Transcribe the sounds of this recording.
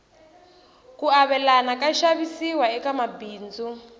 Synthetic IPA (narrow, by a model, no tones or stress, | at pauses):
kuaβɛlanakaʃaβisiwaɛkamabiːnd͡zu